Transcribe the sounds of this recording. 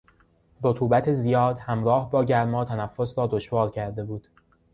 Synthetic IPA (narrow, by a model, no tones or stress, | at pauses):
ɾot̪ʰuːbæt̪ʰezijɒːd̪hæmɾɒːhbɒːɟæɾmɒːt̪ʰænæfːo̞sɾɒːd̪oʃvɒːɾcʰæɾd̪e̞buːd̪̥